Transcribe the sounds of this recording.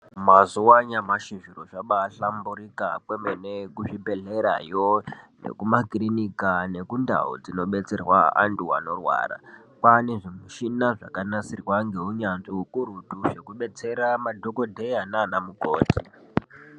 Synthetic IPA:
mazuwaɲamaʃiʐiroʐaɓaɬambuɾika̰pwemenekuʐibʱe̞ɮe̞ɾa̰jonḛkumakrinikane̞kunda̰ṵd͡zino̞ɓe̞t͡se̞rwa̰a̰ntua̰no̞rwa̰ːra̰ | kaneʐemuʃinaʐakanasirwaŋɡe̞uɲanʐiukuɾutuʐe̞kuɓe̞t͡se̞ɾamadʱo̞ko̞dʱejananamukoːti̥

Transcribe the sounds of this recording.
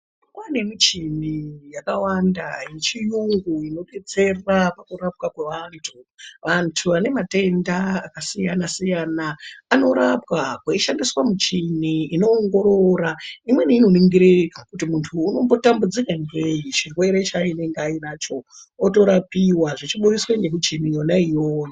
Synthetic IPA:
owane̞mit͡ʃinijakawandajet͡ʃijuŋɡuino̞ɗe̞t͡se̞rapakuɾap̚kakwe̞ʋantʰuʋantʰuane̞mate̞ndaːkasijanasijanaːno̞ɾapwakwaiʃandiswamut͡ʃiniːno̞ːŋɡo̞ɾoraimwe̞niino̞niŋɡiɾeikutimuntʰuːno̞mbo̞tambud͡zikaŋɡejit͡ʃirwe̞ɾe̞t͡ʃaine̞ŋɡainaːt͡ʃo̞oto̞ɾapiwaʐit͡ʃiɓuriswaŋɡekut͡ʃimijonaijojo

